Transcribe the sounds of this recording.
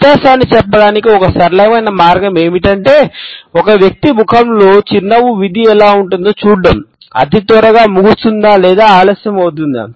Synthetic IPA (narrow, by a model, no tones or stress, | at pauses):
ut̪jaːʃaːnːit͡ʃɛpːɐɽaːnikiɔkɐsɐɾlɐjɐmɐjnɐmaːɾɡɐme̞ːmiʈɐɳʈe̞ːɔkɐʋjɐk̚t̪ibʱukʰɐmlo̞ːt͡ʃinːɐʋuʋid̪iɛlaːuɳʈund̪oːt͡ʃuːɽɐm | ɐ̰t̪it̪ɔːɾɐɡaːmuɡust̪und̪aːlɛːd̪aːaːlɐːsjɐmɐwt̪und̪a̰